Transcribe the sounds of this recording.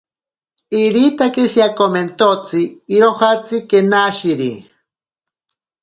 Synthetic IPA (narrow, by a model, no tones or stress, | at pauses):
iɾit̪akeʃjakoment̪ot͡siːɾohat͡sikenaʃiɾi